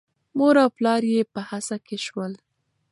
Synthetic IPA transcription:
moɾawplɑɾjepəhasakeʃwəl

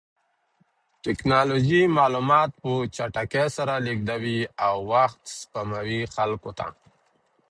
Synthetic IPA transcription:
ʈɪknɑloʒimɑlumɑt̪̚pət͡ʃaʈakesaɾaliɡ̚d̪awiawːaxt̪spamawixalkot̪a̰

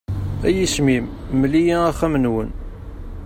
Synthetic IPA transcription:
æjismimməlijiæχæmənwən

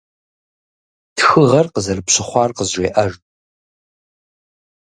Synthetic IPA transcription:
txɨʁɐrqəzɐrɨpɕɪχʷɑːrqəzʒʷeːʔɐʒ

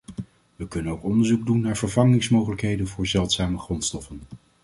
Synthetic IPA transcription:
ʋəkɵnənowkɔndəɹzuɡ̚dunːaːɹvəɹvɑŋɪŋsmowχələkɦejdənvʊːɹzɛlˠtsaːməχrɔntstɔfən

